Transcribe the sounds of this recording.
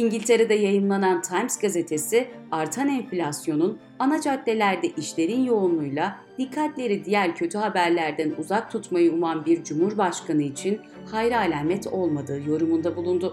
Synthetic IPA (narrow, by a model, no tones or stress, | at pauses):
iɲɟilʲt̪ʰe̞ɾed̪ɛjajɯmlˠanant̪ʰajmsɡaze̞t̪ʰe̞sɪaɾt̪ʰanɛnflʲasjo̞nun | anad͡ʒat̪lʲe̞lʲæɾd̪ɛʔiʃlʲe̞ɾinjo̞unlˠujlˠa | d̪̥ikʰːat̪lʲe̞ɾid̪ijæɾʲcʰø̞t̪ʰyɦabæɾlʲæɾd̪ænuzak̚t̪ʰut̪majɯumanbiɾd͡ʒumhuɾbaʃkanɯit͡ʃʰin | hajɾaːlʲaːmɛt̪ʰo̞lˠmad̪ɯːjo̞ɾumund̪abulˠund̪ʊ